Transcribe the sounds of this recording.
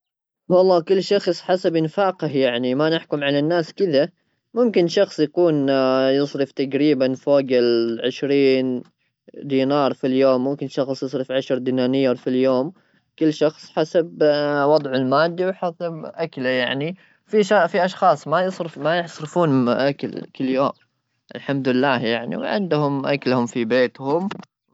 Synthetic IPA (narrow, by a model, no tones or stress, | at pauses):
wɑlˤːɑːkʊlːʃɑxsˤħasabʔɪnfaːqahjaʕnimanɪħkʊmʕalanːaːskɪða | mʊmkɪnʃɑxsˤjakuːnjɨsˤɾɨft̪aɡɾiːbanfoːɡɪlʕɪʃɾiːn | d̪iːnɑːɾˤfiljoːmːʊmkɪnʃɑxsˤjɨsˤɾɨfʕaʃɾˤd̪iːnaːnɪjɑɾˤfiljoːm | kɪlːʃɑxsˤħasabwɑd̪ˤʕɪlmaːd̪ːiwħasabʔaklajaʕni | fiʃafiʔɑʃxɑːsˤmajɨsˤɾɨfmajɪħsˤɾɨfuːnʔaka̰lkɪlːjoːm | ʔɪ̰lħamd̪ɪlːaːhjaʕnḭwʕɪ̰nd̪hʊmʔa̰kalhʊmfibeːt̪hʊm